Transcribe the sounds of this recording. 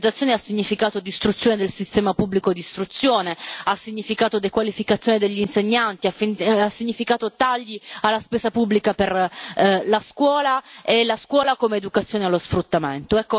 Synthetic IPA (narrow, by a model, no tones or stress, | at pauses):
d̪zat̪sːjoːneasːiɲːifikaːt̪od̪ist̪ɾut̪sːjoːned̪elsist̪ɛːmapubːlikod̪ist̪ɾut̪sːjoːneasːiɲːifikaːt̪od̪ekwalifikat̪sjoned̪eʎːinseɲːant̪iafiasːiɲːifikaːt̪ot̪aʎːialːaspɛːsapubːlikaper | laskwɔːlaelaskwɔːlakomeːd̪ukat̪sjoːnealːosfɾut̪ːament̪oɛkːo